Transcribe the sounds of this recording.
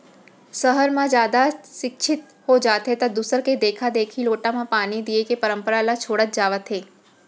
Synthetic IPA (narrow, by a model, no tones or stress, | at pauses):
səɦəɾmãd͡ʒjaːd̪aʃɪkʃʰɪt̪ | hod͡ʒaːt̪ɦet̪ɐd̪usəɾked̪eːkʰad̪eːkʰiloːʈãmãpaːnid̪iekepəɾə̃mpəɾalat͡ʃʰoːɽət̪̚d͡ʒaːʋət̪ɦeː